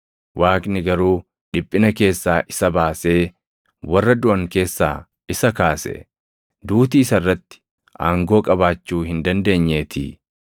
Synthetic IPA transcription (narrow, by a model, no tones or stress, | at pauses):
wʔaːknɪɡɐɾuː | ᶑɪpʼːɪnɐke̞ːsːaːʔɪsɐbaːse̞ː | wɐrːɐd̪ʊʔɐŋke̞ːsːa̰ː | ɪsɐkaːsɛ̰ | d̪uːt̪iːɪsɐrːɐt̪ːɪ̥ | ʔaːŋɡo̞ːkʼɐbaːt͡ʃːuːhɪnd̪ɐnd̪e̞ːɲːe̞ːt̪ʰḭː